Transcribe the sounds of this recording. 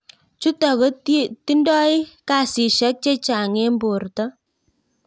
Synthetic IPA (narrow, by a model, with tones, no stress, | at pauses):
t͡ʃu˦ta˨ɣɔ˦ti˦ndɔ˦i˦ka˨si˨ʃɛ˦k̚t͡ʃe˦t͡ʃa˨ŋe˦mbo˨rtɔ˦